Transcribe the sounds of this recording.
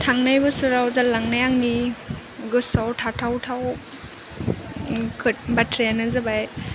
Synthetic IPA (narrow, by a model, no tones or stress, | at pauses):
tʰaŋnajbɯsuɾawzalaŋnajaŋni | ɡɯsawtʰatʰawtʰaw | kʰɯbatʰɾejanɯzabaj